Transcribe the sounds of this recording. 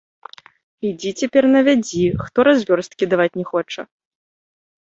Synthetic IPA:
id͡zʲit͡sʲapʲɛrnɐvʲad͡zʲixt̪ɔɾazʲvʲɔrst̪̚kʲid̪avat͡sʲnʲɛxɔt͡ʂɐ

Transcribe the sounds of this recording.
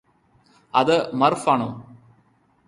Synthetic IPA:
ɐðɨmɐrfaːɳoː

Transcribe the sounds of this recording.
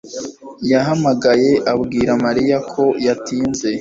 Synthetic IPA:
jaɦamaɡaje̞ʔabɡiːɾamaɾijakʰo̞jatiːnze̞

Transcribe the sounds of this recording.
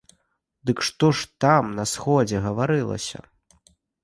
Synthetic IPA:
d̪ɨkʂt̪ɔʂt̪amnɐsxɔd͡zʲɛɣɐvaɾɨlˠɐ̰sʲɐ̰

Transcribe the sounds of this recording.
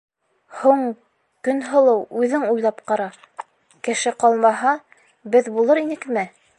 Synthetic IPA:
huɴ | kɵnɦɤ̆lˠɤwʉðɘŋujlˠɑpqɑɾɑ | kɘ̆ʃɘqɑlˠmɑɦɑ | bɘðbulˠɤɾinɘkmɘ

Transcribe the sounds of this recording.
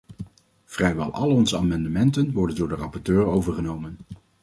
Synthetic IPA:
v̥rɛjʋɛ̰lˠʔɑ̰lˠɔnzəaːmɑndəmɛntənʋɔɹdəndʊːɹdərɑpɔɹtøːɹowvəɹχənowmən

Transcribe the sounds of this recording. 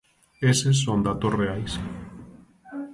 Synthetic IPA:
esesːond̪at̪osreajs

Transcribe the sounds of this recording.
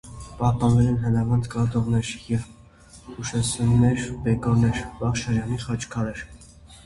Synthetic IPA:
pɑhp̪ɑnvɛlɛnɦənɑvɑnd̪kɑd̪ɔʁnɛɾjɛv | uʃɛsumnɛɾbɛkɔɾnɛɾbɑχʃɑɾjɑniχɑt͡ʃʰkʰɑɾɛɾ

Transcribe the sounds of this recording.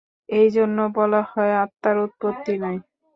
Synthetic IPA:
ejd͡ʑonːobɔlahɔeat̪ːaɾut̪̚pot̪ːinaj

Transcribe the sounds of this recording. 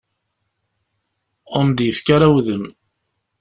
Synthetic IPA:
əmd̪jəfkaɾæwðəm

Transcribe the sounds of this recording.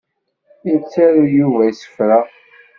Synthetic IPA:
iɾt͡sːæɾujuvæjsə̥fɾa

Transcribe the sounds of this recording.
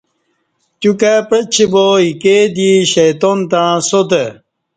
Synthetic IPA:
t͡ɕukapət͡ɕʰiboiked̪iɕejt̪ont̪ãsot̪e

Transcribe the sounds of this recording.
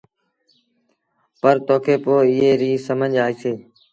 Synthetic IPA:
pəɾt̪oːkʰeːpoːɪɦeːɾiːsəməɲʄaːiːseː

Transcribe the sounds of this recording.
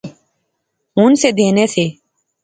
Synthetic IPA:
ɦũːnseːd̪ʱeːneːseː

